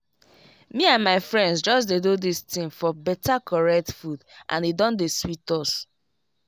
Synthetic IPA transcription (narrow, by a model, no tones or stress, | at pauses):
miãnmaɪfɹɛ̃ndsd͡ʒɔsdedudistĩŋfɔbɛtakʰɔɹɛk̚tfudʔã̰nidɔ̃ndeswitɔs